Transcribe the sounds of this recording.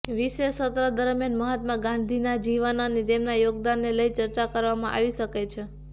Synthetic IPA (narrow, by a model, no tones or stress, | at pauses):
ʋiʃesət̪ɾəd̪əɾmjanməɦət̪mãɡãnd̪ʱinad͡ʒiʋənonit̪emnajoɡd̪anːeləjt͡ʃəɾt͡ʃakəɾʋamã̰ʔa̰ʋiʃəket͡ʃʰe